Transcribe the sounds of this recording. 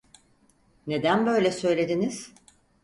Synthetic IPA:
ne̞d̪ænbø̞jlʲɛsø̞jlʲe̞d̪iniz̥

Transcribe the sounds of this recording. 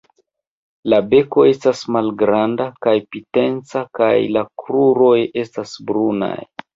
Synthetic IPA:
labe̞ko̞e̞stasmalɡɾandakajpite̞nt͡saka̰jlakɾuɾo̞je̞stasbɾuna̰j

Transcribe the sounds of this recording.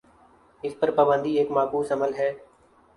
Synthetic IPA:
ɪspəɾpəbə̃nd̪iːeːkmaːkuːsəməlɦɛː

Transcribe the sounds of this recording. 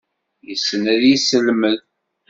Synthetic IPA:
jəsːənæðjisəlməð

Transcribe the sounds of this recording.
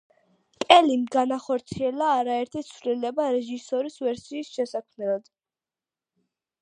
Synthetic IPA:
kʼɛlimɡanaχɔɾt̪sʰiɛlaːɾaɛɾt̪ʰit̪sʰvlilɛbaɾɛʒisɔɾisvɛɾsiːsʃɛsakʰmnɛlˠɔd̪̥

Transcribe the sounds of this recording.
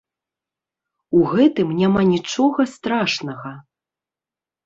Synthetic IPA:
uɣɛt̪ɨmnʲamanʲit͡ʂɔɣɐst̪ɾaʂnɐɣɐ

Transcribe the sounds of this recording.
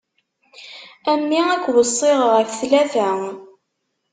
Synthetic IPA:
æmːiækʷːwəsˤːɪʁʁəfθlæfæ

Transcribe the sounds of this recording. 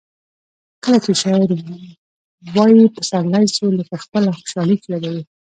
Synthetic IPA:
kəlat͡ʃeʃɑɪɾ | wɑjipəsaɾlajsuləkaxpəlaxo̥ʃɑləjklaɡawi

